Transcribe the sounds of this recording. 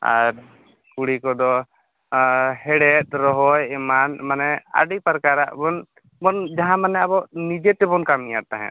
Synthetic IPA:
a̰ɾ | kuɽikɔd̪ɔ | hɛɽɛt̪̚ɾɔɦɔjɛmanmanɛa̰ɖipəɾkaɾaʔbɔn | bɔnd͡ʒaɦãmanɛabɔʔnid͡ʒet̪ɛbɔnkamijat̪aɦɛ̰̃

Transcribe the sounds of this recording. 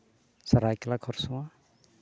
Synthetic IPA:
saɾajklakʰɔɾsũwa

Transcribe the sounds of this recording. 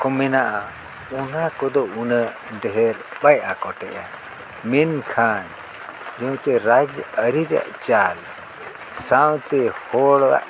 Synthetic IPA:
kɔmɛnaʔa | unakɔd̪ɔunəʔ | ɖɛɦɛɾɓajʔakɔʈɛʔa | minkʰan | d͡ʒɔ̃t͡ʃɛɾad͡ʒəɾiɾa̰ʔt͡ʃal | sawt̪ɛhɔɽwa̰ʔ

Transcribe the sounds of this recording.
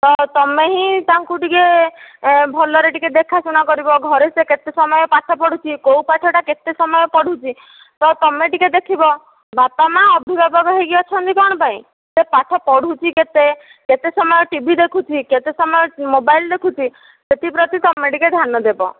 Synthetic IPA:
t̪ɔt̪ɔmeɦĩt̪aŋkuʈike | bʱɔlɔɾeʈiked̪ekʰasuñakɔɾibɔɡʱɔɾeseket̪esɔmɔjɔpaʈʰɔpɔɽ̤ut͡ʃʰikowpaʈʰɔʈaket̪esɔmɔjɔpɔɽ̤ʱut͡ʃʰi | t̪ɔt̪ɔmeʈiked̪ekʰibɔ | bapamãɔbʱibabaɡɔɦeɡiɔt͡ʃʰɔnt̪ikɔɽ̃paĩ | sepaʈʰɔpɔɽ̤ʱut͡ʃʰiket̪e | ket̪esɔmɔjɔʈibʱid̪ekʰut͡ʃʰiket̪esɔmɔjɔmobajld̪ekʰut͡ʃʰi | set̪ipɾɔt̪it̪ɔmeʈiked̪ʱanɔd̪ebɔ̰

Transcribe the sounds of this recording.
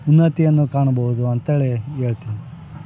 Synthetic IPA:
unːɐt̪ijɐnːukaːɳɐbɐɦud̪uɐnt̪eːɭeeːɭt̪ini

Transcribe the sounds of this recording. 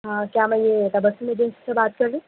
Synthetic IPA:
ɦãkjaːmɛ̃jet̪ɐbəsimẽd͡ʒẽnsi̥sebaːt̪̚kɐɾlĩː

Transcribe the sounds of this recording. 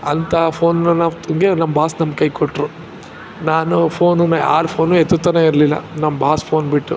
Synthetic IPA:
ɐnt̪ɐpʰoːnnːɐnaːʋt̪ɐŋɡenɐmːbʱaːsnɐmkɐjkoʈːɾu | naːnupʰoːnunːɐa̰ːɾpʰo̞ːnːuet̪ːut̪ːɐneiɾlilːɐ̰nɐmːɐbʱaːspʰo̞ːnbiʈːu

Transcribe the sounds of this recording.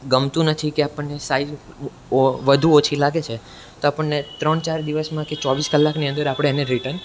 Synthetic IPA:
ɡəmt̪ũnət̪ʰikeapəɳːesai | oʋəd̪ʱuot͡ʃʰilaɡet͡ʃʰe | t̪oapəɳnet̪ɾəɳt͡ʃaɾd̪iʋəsmãket͡ʃɔʋiskəlːakniə̃nd̪əɾapɽ̃eːneɾiʈən

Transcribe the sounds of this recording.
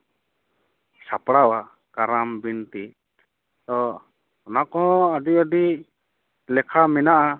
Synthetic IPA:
sapɽawa | kaɾambint̪i | t̪ɔ | ɔnakɔɦɔ̃aɖiɔɖi | lɛkʰamɛnaʔa

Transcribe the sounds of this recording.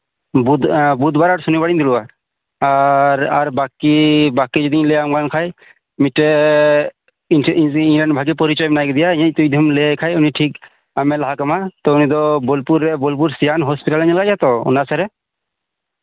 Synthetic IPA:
bud̪bud̪baɾaɾsunibaɽind̪iluwa | aɾaɾbakibakid͡ʒɔd̪ilɛamɡankʰaj | mitɛ | iŋlɛnbʱaɡipɔɾit͡ʃɔjbɛnajɡɛd̪ijajat̪ujd̪ʱumlɛkʰajuniʈʰik | amɛlaɦakamat̪ɔunid̪ɔbɔlpuɾɛbɔlp̬uɾsijanɦɔspiʈalaɲilɡajat̪ɔṵnasaɾɛ

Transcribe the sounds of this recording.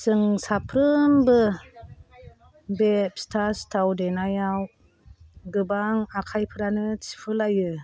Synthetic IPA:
sɯŋsapʰɾɯmbɯ | bep̚stʰastʰawdenajaw | ɡɯbaŋakʰajpʰɯɾanɯsi̥pʰɯlajɯ

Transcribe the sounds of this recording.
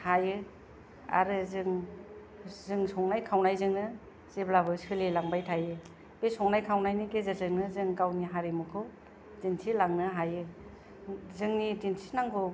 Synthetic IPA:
hajɯ | a̰ɾɯzɯŋ | zɯŋsɔŋnajkʰawnajzɯŋnɯ | z̥eblabɯsɯlilaŋbajtʰajɯ | b̥esɔŋnajkʰawnajniɡezazɯŋnɯzɯŋkawniɦaɾemukʰɯw | dinsʰilaŋnɯɦajɯ | zɯŋnidinsʰi̥naŋɡɯ

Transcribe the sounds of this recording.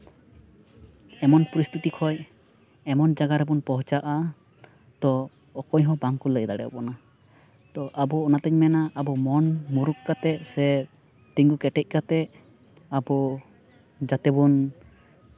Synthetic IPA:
ɛmɔnpɔɾist̪ʰut̪ikʰɔj | ɛmɔnd͡ʒaɡaɾɛbunpɔɦt͡ʃaʔa | t̪ɔː | kɔɲɦɔ̃baŋkuləjd̪aɽɛ̰ɔ̰pɔna | t̪ɔʔabɔɔnat̪ɛɲmɛnaʔːbɔmɔnmuɾukkat̪ɛsɛ | t̪iŋɡukɛʈɛc̚ˀkat̪ɛ | abɔ | d͡ʒat̪ɛbun

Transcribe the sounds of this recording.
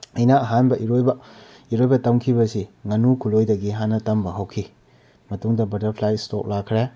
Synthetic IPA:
ɐjnaɐɦanbɐʔiɾojbɐ | iɾojbɐtɐmkʰibɐsiŋɐnukʰulojdɐɡiɦanːɐtɐmbɐɦɐwkʰi | mɐtuŋdɐbɐtɐɾpʰlajsto̰k̚lakʰːɾe

